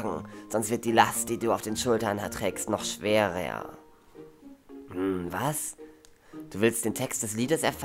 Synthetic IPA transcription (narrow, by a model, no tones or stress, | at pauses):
ɡŋ̩z̥ɔnstv̥ɪɐt̚d̥iːlastd̥iːduːaʊfd̥eːnʃʊltɐntʁ̥ɛːkstnɔχʃv̥eːʁə̰ | h̩va̰s | d̥uːvɪlstd̥eːntʰɛkst̚d̥ɛsliːdəsɛɐf